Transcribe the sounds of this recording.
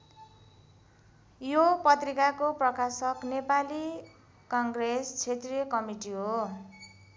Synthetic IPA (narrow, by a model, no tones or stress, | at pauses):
jopʌt̪rikakoprʌkasʌknepali | kʌŋɡrest͡sʰet̪rijʌkʌmiʈiɦo